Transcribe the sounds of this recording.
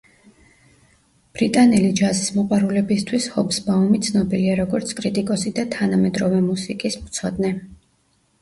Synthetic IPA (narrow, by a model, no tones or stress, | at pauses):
b̥ɾit̪ʼanɛlid͡ʒazismɔqʼwaɾulɛbist̪ʰwishɔbsbaumit̪sʰnɔbiliaɾɔɡɔɾt̪sʰkʼɾit̪ʼikʼɔsid̪at̪ʰanamɛd̪ɾɔvɛmusikʼismt̪sʰɔd̪nɛ